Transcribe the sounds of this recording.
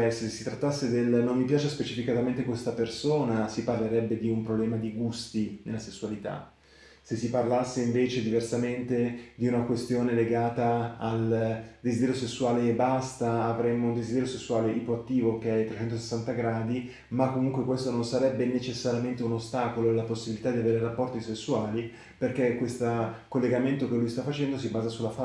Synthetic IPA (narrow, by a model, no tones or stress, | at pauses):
ɛsesesːit̪ɾat̪ːasːed̪elnomːipjaːt͡ʃespet͡ʃifikat̪ament̪ekwest̪apersoːnasiparleɾɛbːed̪iumpɾoblɛːmad̪iɡust̪inelːasesːualit̪a̰ | sesːiparlasːeiɱveːt͡ʃed̪iversament̪ed̪iunakwest̪joːneleɡaːt̪aːld̪ezid̪ɛɾjosesːuaːlebast̪aːvɾemːound̪ezid̪ɛɾjosesːuaːleʔipoat̪ːiːvokeɛt̪ːɾet͡ʃɛnt̪ose̥sːant̪aɡɾaːd̪i | makːomuŋkwekwest̪ononsaɾɛbːenet͡ʃesːaɾjament̪eunost̪aːkoloelːaposːibilit̪ad̪iaveːɾerapːɔrt̪isesːuaːli | perk̟ekːwest̪akolːeɡament̪okelːujst̪afːat͡ʃɛnd̪osibaːzasulafa